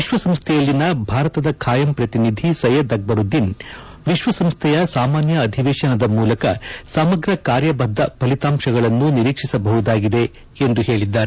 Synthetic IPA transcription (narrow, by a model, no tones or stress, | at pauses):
ʋiʃʋɐsɐmst̪ʰɛjɐlːinɐbʱaːɾɐt̪ɐd̪ɐkʰaːjɐmpɾɐt̪inid̪ʱisɐjɐd̪ɐɡ̚bɐɾud̪ːin | ʋiʃʋɐsɐmst̪ʰɛjɐsaːmaːnjɐːd̪ʱiʋeːʃɐnɐd̪ɐmuːlɐkɐsɐmɐɡɾɐkaːɾjɐbɐd̪ʱːɐpɐlit̪aːmʃɐɡɐɭɐnːuniɾiːkʂisɐbɐɦud̪aːɡid̪e̞ | end̪uhe̞ːɭid̪ːaːɾe